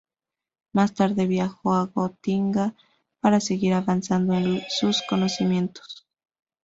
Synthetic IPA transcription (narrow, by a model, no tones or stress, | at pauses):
mast̪aɾðe̞βjaxo̞aɣot̪iŋɡa | paɾase̞ɣiɾaβansand̪oensusko̞no̞simje̞nt̪o̥s